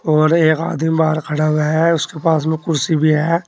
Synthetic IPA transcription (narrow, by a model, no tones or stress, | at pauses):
ɔːɾeːka̰ːd̪mibaːɾkʰɐɽawɦɛʊskepaːsmẽkʊɾsibʱiɦɛː